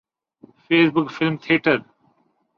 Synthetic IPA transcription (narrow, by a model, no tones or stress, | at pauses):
feːsbʊkfɪlmt̪ʰiːʈəɾ